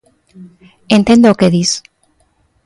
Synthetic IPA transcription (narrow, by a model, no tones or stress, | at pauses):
ent̪end̪ookeðis